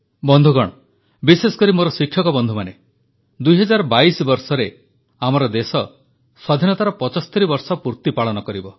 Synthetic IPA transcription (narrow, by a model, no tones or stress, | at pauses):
bɔnd̪ʱuɡɔɽ̃ɔ | bisesɔ̥kɔɾimoɾɔsikʰːjɔkɔbɔnd̪ʱumane | d̪ujɦɔd͡ʒaɾɔbaisɔbɔɾsɔɾe | amɔɾɔd̪esɔ | sɔd̪ʱinɔt̪aɾɔpɔt͡ʃɔsɔt̪eɾibɔɾsɔpuɾt̪ipaɭɔnɔkɔɾibɔ